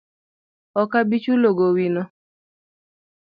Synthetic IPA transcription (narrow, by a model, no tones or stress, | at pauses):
ɔkabit͡ʃuloɡowinɔ